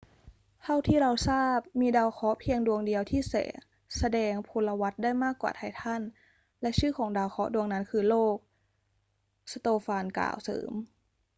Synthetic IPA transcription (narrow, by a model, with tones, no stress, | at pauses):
t̪ʰa˥˩wt̪ʰiː˥˩ɾa˧wsaː˥˩p̚miː˧daː˧wxʰɔ˦˥pʰi˧əŋdu˧əŋdi˧əwt̪ʰiː˥˩sɛ̰ː˩˦ | sa˧dɛː˧ŋpʰu˧lːa˧wa˦˥t̪̚daː˥˩jmaː˥˩kːwa̰ː˨˩t̪ʰa˧˩jt̪ʰa˥˩n | lɛ˦˥ʔt͡ɕʰɯː˥˩kʰɔː˩˦ŋdaː˧wxʰɔ˦˥du˧əŋna˦˥nkʰɯː˧loː˥˩k̚ | sa˧t̪oː˧faː˧nka̰ː˨˩wsɤ̰ː˩˦m